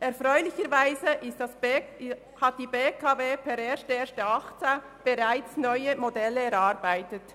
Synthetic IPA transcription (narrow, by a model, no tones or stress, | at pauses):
ʔɛɾfʁœʏlɪçəɾvaɪzəʔɪstɑs | hɑt̚d̥iːbeːkʰɑveːpʰɛɾeːsteːɾstəɑχt͡sa | b̥eʁaɪt͡snɔʏəmodɛlːəɛɾɑɾbaɪtət